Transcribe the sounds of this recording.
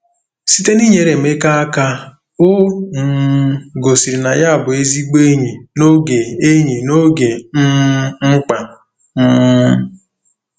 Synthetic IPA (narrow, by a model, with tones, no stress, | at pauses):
si˦te˦ni˦ɲe˨˦ɾe˨m̩˨˦e˦ka˦a˦ka˦ | o˦ŋ̩˦ɡo˨si˨ɾi˨na˨ja˦a˨bʊ˨e˦zi˦ɡ͡be˦ɲi˨no˦ɡe˨e˦ɲi˨no˦ɡe˨m̩˦ŋ͡m̩˦k͡pa˨ | m̩˦